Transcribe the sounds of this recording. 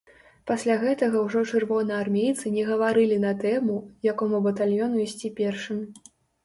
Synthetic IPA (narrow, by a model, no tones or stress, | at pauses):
pasʲlʲaɣɛt̪ɐɣɐwʐɔt͡ʂɨrvɔnɐarmʲejt̪sɨnʲɛɣɐvaɾɨlʲinɐt̪ɛmujakɔmubɐt̪alʲjɔnuisʲt͡sʲipʲɛrʂɨmʲ